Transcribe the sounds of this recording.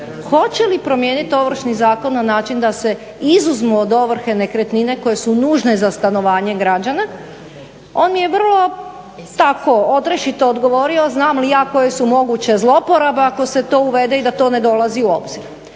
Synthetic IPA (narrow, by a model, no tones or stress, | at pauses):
xo̞t͡ɕe̞lipɾo̞mje̞ːnit̪o̞ʋɾ̩ʃnizaːko̞nːanaːt͡ʃind̪ase̞ | izuzmuod̪o̞ʋr̩xe̞ne̞kɾet̪nine̞ko̞je̞sunuːʒne̞zast̪ano̞ʋaːɲe̞ɡɾad͡ʑana | o̞ːnmije̞ʋr̩lˠo̞ | t̪ako̞od̪ɾeʃit̪oːd̪ɡo̞ʋo̞ɾio̞znaːmlijaːko̞je̞sumo̞ɡut͡ɕe̞zlˠopo̞ɾabeako̞se̞t̪o̞ːuʋe̞d̪eid̪at̪o̞ːne̞d̪o̞laziuo̞bz̥iɾ